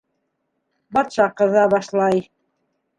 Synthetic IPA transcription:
bɑt̪ʃɑqɤ̆ðɑβɑʃlˠɑj

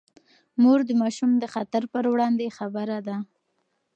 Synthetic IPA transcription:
moɾd̪əmɑʃumd̪əxat̪aɾpəɾwɽɑnd̪exabəɾad̪a

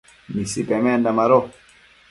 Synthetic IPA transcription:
misipɛmɛndamaɾɔ

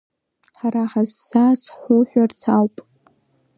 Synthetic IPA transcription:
ħaɾaħazːasħʷuħʷᶣart͡sʰawpʼ

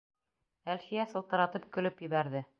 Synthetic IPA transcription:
ælfijæsɤ̆lˠt̪ɤ̆ɾɑt̪ɤp̚kɵ̆lɵpjɘ̆βæɾðɘ

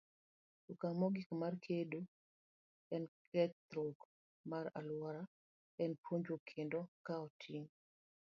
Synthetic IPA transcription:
tukamɔɡikmarkʰedo | ɛnkʰɛt̪ɾok | maɾa̰lwɔɾa | ɛnpʰwoɲd͡ʒokʰendɔkaɔtʰiŋ

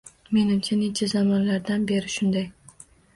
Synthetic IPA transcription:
me̞nɪmt͡ʃʰanet͡ʃʰazamɒnlaɾd̪anbe̞ɾɪʃʊnd̪aj

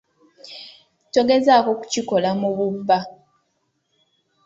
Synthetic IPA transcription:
toɡezakoku̥ciko̞lamuβubːa

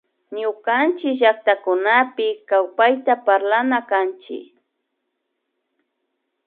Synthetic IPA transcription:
ɲʊkant͡ʃɪkʒak̚t̪akʊnapɪkawpajt̪apaɾlanakant͡ʃɪ̰k

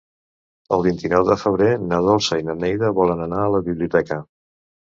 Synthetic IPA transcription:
ə̰lˠβint̪inɔwðəfəβ̞ɾenaðɔlˠsəjnənɛjðəβɔlənənaələβiβliut̪ɛkə

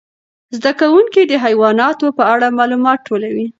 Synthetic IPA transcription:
zd̪akawuŋkid̪əɦajwɑnɑt̪opəaɽamɑlumɑt̪̚ʈːolawi

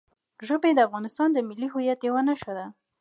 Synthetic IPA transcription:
ʒobed̪əafɣɑnɪst̪ɑnd̪əmɪlːiɦujat̪jawanaʃad̪a

